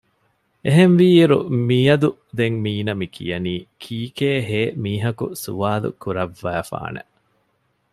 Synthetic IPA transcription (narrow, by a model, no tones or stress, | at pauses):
eɦenʋiːiɾṵmiːɐd̪u | d̪eŋmiːnɐmikʰḭjɐniːkʰiːkeːɦeːmiːɦɐkṵsṵʋaːlṵkuɾɐʋːæːfa̰ːnḛ